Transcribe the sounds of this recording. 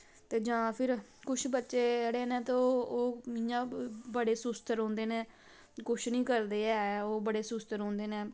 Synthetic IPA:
t̪eːd͡ʒãːpʰɪɾkʊt͡ʃʰbətːʃeːɽeːnɛ̃ːt̪eoːoːijãːbəɽeːsʊst̪əɾõːnd̪eːneː | kʊt͡ʃʰnĩːkəɾd̪eːɛːoːbəɽeːsʊst̪əɾɦõːnd̪eːnɛ̃ː

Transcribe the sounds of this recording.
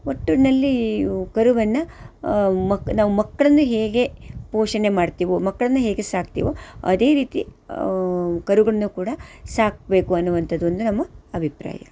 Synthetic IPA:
oʈːuɽnɐlːikɐɾuʋɐnːɐ | mɐnaːʋumɐkːɐɭɐnːuɦe̞ːɡe̞poːʂɐne̞maːɖt̪iːʋomɐkːɐɭɐnːuɦeːɡe̞saːkt̪ḭːʋoɐ̰d̪e̞ːɾiːt̪ḭ | kɐɾuɡɐɭɐnːukuːɽɐsaːk̚be̞ːkuɐnːuʋɐnt̪ʰɐd̪ːond̪unɐmːɐɐbʱipɾa̰ːjɐ

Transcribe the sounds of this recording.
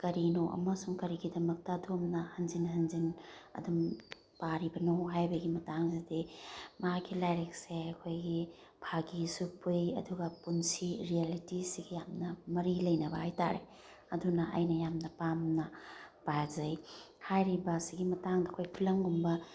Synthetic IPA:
kɐɾinoʔɐ̰mɐsuŋkɐɾiɡidɐmɐk̚tɐdomnɐhɐnzinɦɐnzinɐ̰dum | paɾibɐnowɦajbɐɡimɐtaŋzidimakʰilajɾek̚seɐkʰojɡi | bʰʱaɡisupʰujɐ̰duɡɐpunsiɾialitisiɡijamnɐmɐɾilɐjnɐbɐhajta̰ɾḛ | ɐdunɐɐ̰jnɐjamnɐpamnɐpajzɐj | hajɾibɐsiɡimɐtaŋdɐɐkʰojpʰilɐŋɡumbɐ

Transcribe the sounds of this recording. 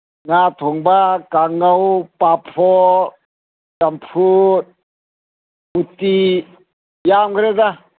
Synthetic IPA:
ŋat̪ʰuŋbakaŋawpapʰɔ | tampʰut̪̚ | ut̪i | jamɡɾɛd̪a

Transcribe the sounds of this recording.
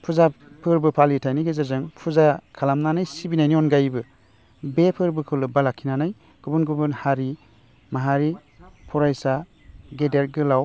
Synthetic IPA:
pʰuzapʰɯɾbɯpʰalitʰajniɡezazɯŋpʰuzakʰalamnanajsibinajniɔnɡajbɯ | bepʰɯɾbɯkʰɯlɯbalakʰːinanaj | ɡ̥ubɯnɡubɯnhaɾi | maɦaɾi | pʰɔɾajsa | ɡedeɾ̚ɡɯlaw

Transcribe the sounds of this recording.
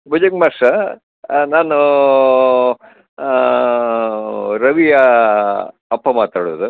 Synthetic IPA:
bʱud͡ʒɐkmɐʂɐ | naːnu | ɾɐʋijɐ | ɐpːɐmaːt̪aːɽuʋd̪u

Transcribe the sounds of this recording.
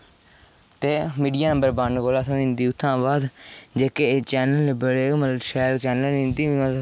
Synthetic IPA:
t̪eːmiːɖijaːnə̃mbəɾbaɳɖkoːlaːsʰõːɪ̃ːnd̪iːʊt̪ʰːãːbaːd̪d͡ʒeːket͡ʃɛːnəlːbəɽeːməlʃɛːlt͡ʃɛːnəlɪ̃nd̪iːã

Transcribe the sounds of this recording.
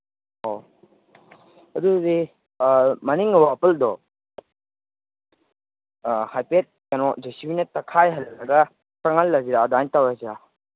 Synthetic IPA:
o | ɐdudi | mɐniŋwapɐldɔ | hajpet̚kanɔd͡ʒesiwinɐtɐkʰajɦɐllɐɡɐ | sɐŋalːɐziɾadantawaziɾa

